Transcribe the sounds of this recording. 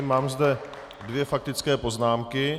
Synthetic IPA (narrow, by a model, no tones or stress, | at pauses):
maːmzdɛ | dvjɛfak̚t̪ɪt͡skɛːpo̞znaːmkɪ